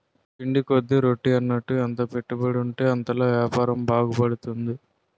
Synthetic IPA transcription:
piɳɖikod̪ːiɾo̞ʈːiɐnːɐʈːuent̪ɐpe̞ʈːubɐɽuɳʈe̞ːɐnt̪ɐloːʋjaːpaːɾɐmbaːɡupɐɽut̪und̪i

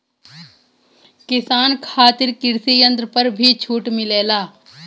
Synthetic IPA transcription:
kɪsaːnkʰaːt̪ɪɾkɪɾsijə̃nt̪ɾəpəɾbʱit͡ʃʰuːʈmɪleːlaː

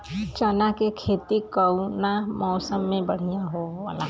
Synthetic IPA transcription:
t͡ʃanakekʰeːt̪ikəwnamɔːsəmːẽbəɽ̤ijaɦoʋa̰ːla̰

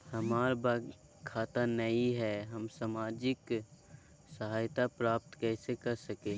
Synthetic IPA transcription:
hɐmaːɾba | kʰːaːt̪anɐiɦɛːɦɐmsaːmaːd͡ʒɪk | səɦaːjt̪apɾaːp̚t̪kɛːsekɐɾsɐkẽː

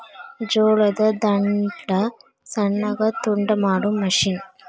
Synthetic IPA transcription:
d͡ʒoːlɐðɐd̪ɐɳɖɐ | sɐɳːɐɣɐt̪uɳɖɐmaːɽɯmːɐʂin

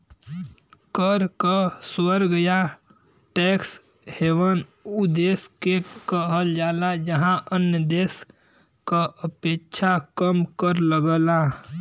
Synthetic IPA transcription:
kəɾkəswəɾɡja | ʈɛks | heʋənud̪eskekəɦəld͡ʒalad͡ʒəɦãʔənjəd̪es | kəəpet͡ʃʰakəmkəɾləɡəla

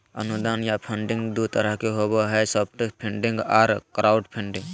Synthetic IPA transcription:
ənud̪aːnjapʰə̃ɳɖɪ̃ŋɡd̪ut̪əɾəɦkeɦobəɦɛsɔp̚ʰʈpʰẽɳɖɪ̃ŋɡaːɾkɾaːʊɖpʰɪ̃ɳɖɪ̃ŋɡ

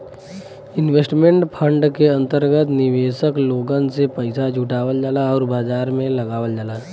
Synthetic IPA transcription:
ɪnʋeːsʈmẽɳʈpʰə̃ɳɖkeɐ̃nt̪əɾɡət̪nɪʋeːʃəkloːɡə̃nsepəɪsad͡ʒʱuʈaːʋəld͡ʒalaɔːɾbaːd͡ʒaːɾmẽlɐɡaːʋəld͡ʒalaː

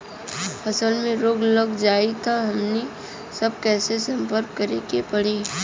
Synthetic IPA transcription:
pʰəsəlmẽɾoːɡləɡd͡ʒaːit̪ʰaɦɐmni | səb̚kɛːsesɐ̃mpəɾk̚kəɾekepəɽiː

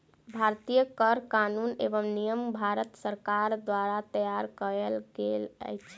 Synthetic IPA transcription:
bʱaɾt̪ijəkəɾkanunḛbəmnijəmbʱaɾət̪səɾkaɾd̪waɾat̪əjaɾkəɾelɡelə̰jt͡ʃʰ

